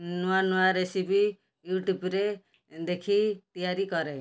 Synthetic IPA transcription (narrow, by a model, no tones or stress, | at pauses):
nuanuaɾesipi | juʈubɾe | d̪ekʰit̪ijaɾikɔɾe